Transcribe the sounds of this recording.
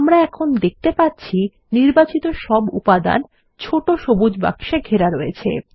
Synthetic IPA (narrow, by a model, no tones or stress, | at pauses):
amɾaɛkʰond̪ek̚t̪epatːt͡ɕʰi | niɾbat͡ɕit̪oʃɔbṵpad̪a̰n | t͡ɕʰoʈoʃobud͡ʑba̰kʃeɡʱeɾaɾojet͡ɕʰḛ